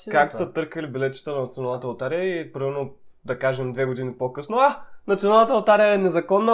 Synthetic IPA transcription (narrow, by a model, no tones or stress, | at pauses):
kak̚t̪sət̪ɤɾkəlibɛlɛt̪t͡ʃi̥t̪ənɐnt̪sionalˠnət̪lt̪aɾijəipɾimɛɾno | d̪ɐkaʒɛmd̪vɛɡod̪inipokɤsnoanɐt̪sʲionalˠnət̪əlt̪aɾijəɛnɛzɐkɔnːə